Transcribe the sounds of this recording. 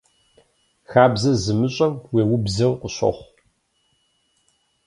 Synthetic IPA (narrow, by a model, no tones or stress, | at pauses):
xaːbzɐzɨmɨɕʼɐmweːwbzɐwqʷʊɕʷɐ̰χʷ